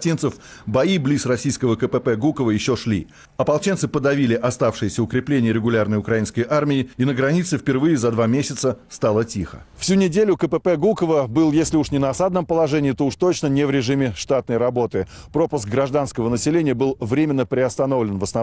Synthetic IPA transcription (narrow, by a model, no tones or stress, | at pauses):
tʲint̪səfbɐiblʲisrɐsʲijskəvəkəpɛpɛɡukəvəjɪɕːoʂlʲḭ | ɐpɐlˠt͡ɕent̪sɨpəd̪ɐvʲilʲɪʔɐst̪afʂɨjɪsʲəʊkɾʲɪplʲenʲɪjəɾʲɪɡʊlʲarnəjʊkɾɐinskəjʔarmʲɪɪinəɡɾɐnʲit̪sɨfpʲɪrvɨjɪzɐd̪vamʲesʲɪt̪səst̪alˠətʲixə̰fsʲunʲɪdʲelʲʊkəpɛpɛɡukəvəbɨlˠjesʲlʲɪuʂnʲɪnəɐsad̪̚nəmpəlˠɐʐɛnʲɪːt̪ouʂt̪o̞t͡ɕnənʲɪvɾʲɪʐɨmʲɪʂt̪at̪̚nəjɾɐbo̞t̪ɨ | pɾo̞pʊsk̚ɡɾɐʐd̪anskəvənəsʲɪlʲenʲɪjəbɨlˠvɾʲemʲɪnːəpɾʲɪɐst̪ɐno̞vlʲɪnvəsnɐ